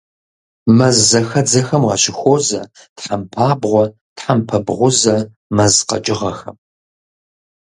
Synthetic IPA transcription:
mɐzːɐxɐd͡zɐxɐmʁɐ̰ɕɪxʷoːzɐ | tħampʰaːbʁʷɔ | tħampʰɐbʁʷʊzɐ | mɐzqɐ̰t͡ʃʼɪʁɐxɐm

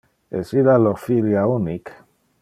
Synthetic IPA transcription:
esilaloʁfiljaunik

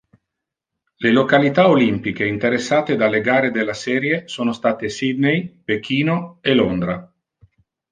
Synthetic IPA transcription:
lelokalit̪aolimpik̟eint̪eɾesːaːt̪ed̪alːeɡaːɾed̪elːasɛːɾjesoːnost̪aːt̪esid̪nejpek̟iːnoelond̪ɾa

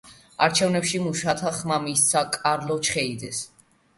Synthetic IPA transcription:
a̰ɾt͡ʃʰɛvnɛpʃimuʃat̪ʰaχmamist̪sʰakʼaɾlɔt͡ʃʰχɛid̪ɛs

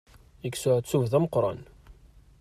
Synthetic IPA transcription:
iksʊʕt͡sːuvðæmqːɾˤɑ̰n

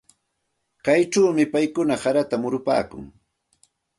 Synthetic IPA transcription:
kajʈ͡ʂaːmɪpajkʊnahaɾat̪amʊɾʊpa̰ːkʊ̰ŋ

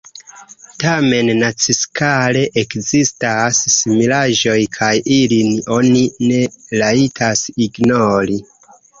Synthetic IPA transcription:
tame̞nnat͡siskale̞ʔekzistasːimilaʒo̞jkʰajʔilino̞nine̞laitʰasiɡnoɾi

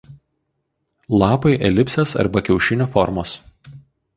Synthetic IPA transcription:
lˠɑːpɐɪʔɛlʲɪpʲsʲesɐ̰ɾbɐkʲɛʊʃʲɪnʲoːfɔɾmoːs

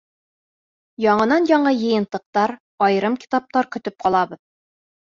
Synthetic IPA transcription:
jɒɴɤ̆nɑnjɒɴɤjɤ̆jɤ̆nt̪ːɤ̆q̚t̪ɑɾ | ɒjɤɾɤmkʲi̥t̪ɑp̚t̪ɑɾkɵ̆t̪ɵp̚qʰɑlˠɑbɤð

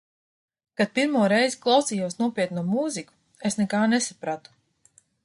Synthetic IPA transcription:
kad̪̚piɾmuɔɾɛjziklˠawsijuɔsnuɔpʲiɛt̪numuːziku̥ | esnɛkaːnesapɾat̪u̥

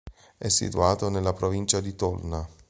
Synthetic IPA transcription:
ɛsːḭt̪uaːt̪onelːapɾovint͡ʃad̪it̪ɔlna

